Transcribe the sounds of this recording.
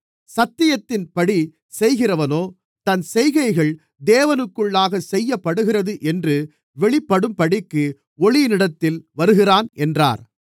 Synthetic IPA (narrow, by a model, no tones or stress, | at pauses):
sɐt̪ːɪjɐt̪ːɪnpɐɽi | sɛjɣɪrɐʋɐnoː | t̪ɐnsɛjɣɐɪɣɐɭ | d̪eːʋɐnɯkːɯɭːaːɣɐsɛjːɐpːɐɽɯɣɪrɐðɯʔɛndrɯ | ʋɛɭɪpːɐɽɯmpɐɽɪkːɯ | ɔɭɪjɪnɪɽɐt̪ːɪlʋɐɾɯɣɪraːnɛndra̰ːɾ